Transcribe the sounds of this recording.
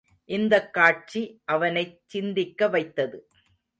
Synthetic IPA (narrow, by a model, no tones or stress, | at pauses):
ʔɪnd̪ɐkːaːʈ̚t͡ʃiʔɐʋɐnɐɪt͡ʃːɪnd̪ɪkːɐʋɐɪt̪ːɐðɯ